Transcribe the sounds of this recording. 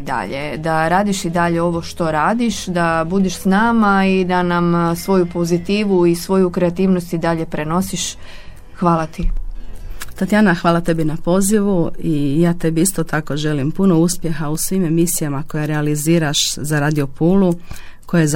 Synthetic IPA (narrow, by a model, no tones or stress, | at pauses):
d̪a̰ʎḛd̪aɾaːd̪iʃid̪aʎe̞o̞ʋo̞ʃt̪o̞ɾaːd̪iʃd̪abud̪iʃsnaːmaid̪anamsʋo̞jupo̞zit̪iːʋuisʋo̞jukɾeat̪iːʋnost̪id̪aʎe̞pɾe̞no̞siʃ | xʋaːlˠat̪i | t̪at̪janaxʋaːlat̪e̞binapo̞ziʋuijaːt̪e̞biist̪ot̪ako̞ʒe̞limpuno̞uspje̞xausʋiːme̞misijamako̞jaɾealiziːɾaʃzaɾaːd̪io̞puːlukojez